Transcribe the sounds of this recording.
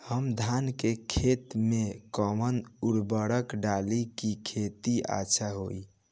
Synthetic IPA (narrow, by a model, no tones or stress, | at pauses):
həmd̪ʱankekʰet̪mekəmənuɽbəɽəkɖalikikʰet̪ia̰t͡ʃʰaɦoi